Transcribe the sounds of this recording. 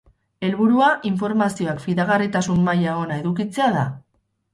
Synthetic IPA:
e̞lβuɾuaʔiɱfo̞ɾmasio̞akfiðaɣarit̪asummajaɣ̞o̞nae̞ðukit͡se̞aða

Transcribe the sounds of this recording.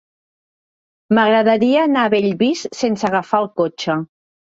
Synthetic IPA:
məɣɾəðəɾiəːnaβeʎβisːensəɣəfalˠkot͡ʃə

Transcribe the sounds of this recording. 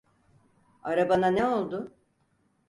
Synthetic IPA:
aɾabananɛo̞lˠd̪ʊ

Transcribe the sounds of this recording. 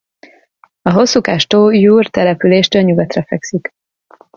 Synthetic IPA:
ɒɦo̞sːuːkaʃt̪oːjuːrt̪ɛlɛpyleːʃt̪øɲuɡɒt̪rɛfɛksik

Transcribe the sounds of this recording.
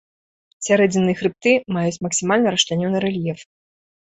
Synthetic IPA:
sʲaɾɛd͡zʲinːɨjɐxɾɨp̚t̪ɨmajut͡sʲmɐksʲimalʲnɐɾɐʂt̪ʲanʲɔnɨɾɛlʲjɛf

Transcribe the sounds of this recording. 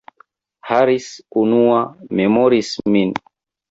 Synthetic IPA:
haɾisunuamɛmɔɾismin

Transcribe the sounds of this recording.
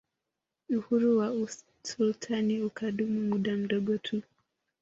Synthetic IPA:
uhuɾuwau | sultʰaniukʰaɗumumuɗam̩ɗɔɡɔtʰu

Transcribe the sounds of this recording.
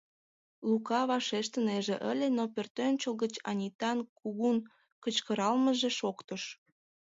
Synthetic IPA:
lukɑβɑʃeʃt̪əneʒeʔəlʲenopørt̪ønʲt͡ɕəlˠɣət͡ɕɑ̰nʲit̪ɑnkuɣun | kət͡ɕkəɾɑlməʒeʃokt̪əʃ

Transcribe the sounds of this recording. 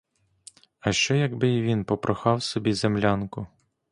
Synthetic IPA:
ɐʃt͡ʃɛjɐɡbɪiʋʲinpɔpɾʔɔxɑwsɔbʲizemlʲankʊ

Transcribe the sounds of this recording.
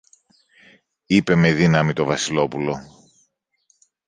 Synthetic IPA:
ipe̞me̞ðinɐmit̪o̞vɐsilo̞pulo̞

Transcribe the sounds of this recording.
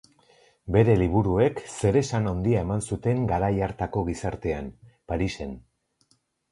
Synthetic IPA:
be̞ɾe̞liβ̞uɾue̞kse̞ɾe̞sanond̪iae̞mansut̪e̞ŋɡaɾajaɾt̪ako̞ɣ̞isaɾt̪e̞anpaɾise̞n

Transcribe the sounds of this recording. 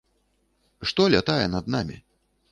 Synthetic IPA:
ʂt̪ɔlʲat̪ajɛnɐd̪̚namʲḭ

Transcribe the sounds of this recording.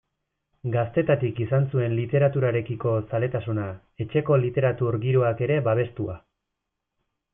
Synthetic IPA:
ɡast̪e̞t̪at̪ikisansue̞nlit̪e̞ɾat̪uɾaɾe̞kiko̞sale̞t̪asuna | e̞t͡ʃe̞ko̞lit̪e̞ɾat̪uɾɡiɾoake̞ɾe̞baβ̞e̞st̪ua

